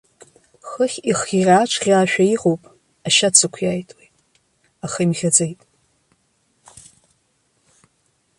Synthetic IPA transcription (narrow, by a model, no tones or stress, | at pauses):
χəχʲiχʲirʲaːt͡ʃʷʰʁʲaːʃᶣaiʁowpʼ | aʃat͡sʰakʷʰjaːjtʼwejtʼ | aχajmʁʲad͡zejtʼ